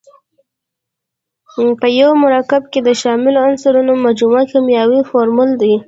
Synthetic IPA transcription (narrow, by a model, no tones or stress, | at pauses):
pəjawmaɾɑkɪb̚ked̪əʃɑmɪloansaɾunomad͡ʒumakamjɑwifoɾmuld̪i